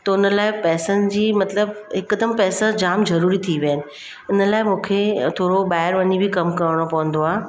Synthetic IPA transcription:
t̪ɐʊnəlaːɪpɛːsənɪ̆d͡ʑiːmɐt̪ləbɪkːəd̪əmpɛːsad͡ʑaːmzɐɾuːɾit̪ʰiʋjənɪ̆ | ɪnəlaːɪmũːkʰet̪ʰoːɾobaːɪɾʋɐɲibʱɪkɐmkɐɾɽ̃opɐʋə̃nd̪oaː

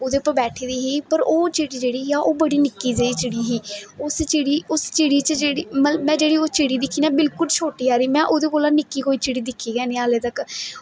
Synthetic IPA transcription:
oːd̪eːpːãːbɛːʈʰeːd̪iːɦiːpəɾoːt͡ʃɪɽiːd͡ʒeːɽiːɦiːaːʔoːbəɽiːnɪkːiːd͡ʒeiːt͡ʃɪɽiːɦiːʊst͡ʃɪɽiːʊst͡ʃɪɽiːt͡ʃəd͡ʒeːɽiːməəbmɛ̃ːd͡ʒeːɽiːoːt͡ʃɪɽiːd̪ɪkʰːiːnãːbɪlkʊlt͡ʃʰoːʈiːɦaːɾiːmɛ̃ːʔoːd̪eːkoːlãːnɪkːiːɦoːiːt͡ʃɪɽiːd̪ɪkʰːiːɡɛːnĩaːleːt̪ək

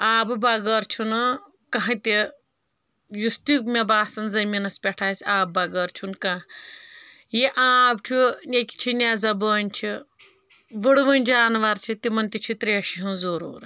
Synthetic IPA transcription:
aːbɨbɐɡəɾt͡ʃʰunɨ | kɐɦɐ̃t̪i | just̪ikmʲɐbaːsɐnzɐminɐspʲɛʈʰaːsʲaːb̚bɐɡɐːɾt͡ʃʰunkɐː | jiʔaːb̚t͡ʃʰunʲekʲi̥t͡ʃʰinʲazɐbəːnʲt͡ʃʰi | ʋɐɽɨʋɐnʲd͡ʒaːnʋɐɾt͡ʃʰit̪imɐnt̪it͡ʃʰit̪ɾiɐʃiɦɨ̃zuɾṵːɾ

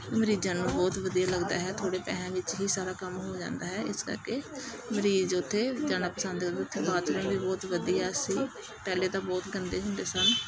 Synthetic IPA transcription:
məɾiːzãːnũːbɔːt̪ʋəd̪ijaːləɡd̪aːɦɛːt̪ʰoːɽeːpɛ̰ːãːʋɪt͡ʃɦiːsaːɾaːkəmɦoːd͡ʒã̰ːnd̪aːɦɛːʔɪskə̰ɾkeː | məɾiːzʊt̪ʰːeːd͡ʒaːnaːpəsə̃nd̪eʊt̪ʰːeːbaːt͡ʃ̪ɾõːʋiːbɔːt̪ʋəd̪ijaːsĩː | pɛːleːd̪aːbɔːt̪ɡənd̪eːɦʊɳɖ̪eːsal

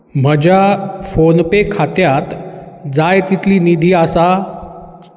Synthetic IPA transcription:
m̤əd͡ʑʱafonpekʰat̪jat̪d͡zajt̪it̪liːnid̪ʱiːasa

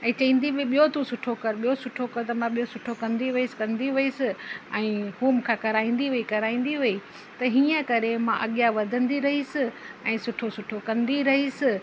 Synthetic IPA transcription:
ɛ̃ːt͡ɕɐĩːn̆d̪ibɪɓijot̪ũsʊʈʰokɐɾɓijosʊʈʰokɐɾt̪ɐmãɓijosʊʈʰokɐ̃nd̪iʋɪisɪ̥kɐ̃nd̪iʋʊisɪɛ̃ːhuːmkʰãːkɐɾaːĩːn̆d̪iɦuikɐɾaːĩːn̆d̪iɦʊi | t̪ɐɦiːə̃kɐɾemãʔɐɠijaʋɐd̪ʱə̃nd̪iɾɐɦisɪ | ɛ̃ːsʊʈʰosʊʈʰokɐ̃nd̪iɾɐɦisɪ

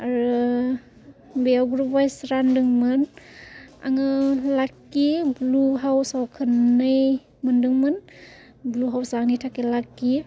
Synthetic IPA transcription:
aɾɯ | beawɡɾubajsɾandɯŋmɯn | a̰ŋɯlakːibluɦawsawkʰɯnːɯj | mɯndɯŋmɯn | bluɦawsaŋnijtʰakelakːi

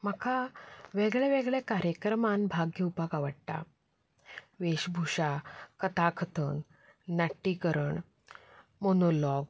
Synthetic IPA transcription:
məkʰaʋeɡɭɛʋeɡɭɛkaɾjəkɾəmãnbʱaɡʱjəupaɡaʋəɽʈ̪a̰ | ʋeɕbʱuɕakət̪akʰət̪ʰən | naʈːikəɾəɳ | monolɔɡ̚

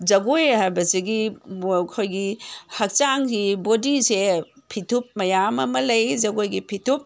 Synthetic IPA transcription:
d͡ʒɐɡojhajbɐsiɡikʰojɡihɐk̚t͡ʃaŋhibodisepʰitʰup̚mɐjamɐmɐlɐjd͡ʒɐɡojɡipʰitʰup̚

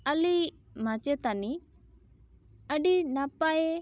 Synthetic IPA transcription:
əli | mat͡ʃɛt̪ani | əɖinapaɛ

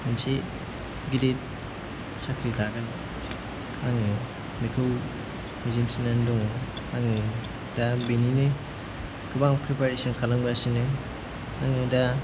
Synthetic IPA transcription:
minse | ɡidet̚ | sakʰɾilaɡan | aŋɯ | mikʰɯw | mizinsinandɔŋ | aŋɯ | dabeninɯ | ɡɯbaŋpʰɾipaɾesɔnkʰalaŋbasinɯ | aŋɯda

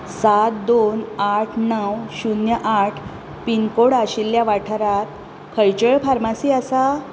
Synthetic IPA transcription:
sat̪d̪onaʈʰnəwɕunjəʔaʈʰ | pinkoɽaɕilːjaʋaʈʰəɾat̪̚ | kʰəjt͡ɕəɭfaɾmasiːaəsa

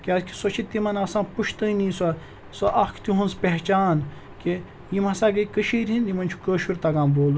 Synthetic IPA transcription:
kiɐzkʰi̥sot͡ʃʰit̪ːimɐnɐsãːpuʃʰt̪əinĩsɐ | sɐʔɐkʰt̪uɦũnspʲeɦt͡ʃaːn | ki | jimɐsaːɡɐikəʃiːɾɦind̪imɐnʲt͡ʃʰu̥kəːʃuɾt̪ɐɡãːmboːlu

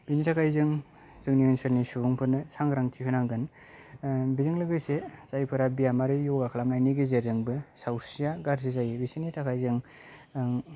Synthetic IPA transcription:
binitʰakʰajzɯŋ | z̥ɯŋniɯnsɯɾnisubuŋpʰɯnɯsaŋɡɾaŋtʰikʰɯnaŋɡɯn | bizɯŋlɯɡɯjsesajpʰɯɾabijamaɾɯjɔɡakʰalamnajniɡezeɾɯŋbɯsawɾsijaɡaɾzizajibisinitʰakʰajzɯŋ

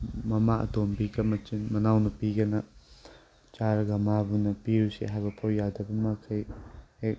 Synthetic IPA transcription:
mɐmaɐ̰dombikʰɐmɐt͡ʃinmɐnawnɐpiɡɐnɐ | t͡ʃaɾɡɐmabunɐpiusḭɦajbɐpʰowjːadɐbɐmɐkʰɐjhek̚

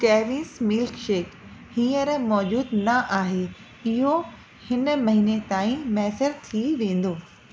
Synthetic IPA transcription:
kɛːʋɪnsmɪlkʃeːkhĩːəɾmɔːd͡ʑuːd̪nɐʔaːɦe | ɪɦo | hɪnmɐɦiːnet̪aːĩmɛːsəɾt̪ʰiʋẽːn̆d̪oː

